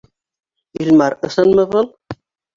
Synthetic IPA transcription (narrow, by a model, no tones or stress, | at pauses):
ilmɑɾɤ̆sɤ̆nmɤβɤlˠ